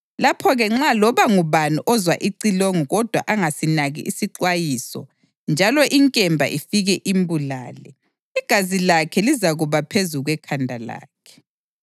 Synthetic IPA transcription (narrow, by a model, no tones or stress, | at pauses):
lapʰɔɣɛŋ͡ǁalɔβaŋuβanuʔɔzwa̰ʔiǀiloŋuɣɔd̥ʱwa̰ʔaŋasinaɣḭʔisiǃwajiːsɔ̰ | nd͡ʒʱalɔʔiŋkʼɛmbʱa̰ʔifiɣɛʔimbula̰ːlɛ | iɡ̥ʱazilakʰɛlizaɣuβapʰezuɣwɛkʰandʱala̰ːkʰɛ̥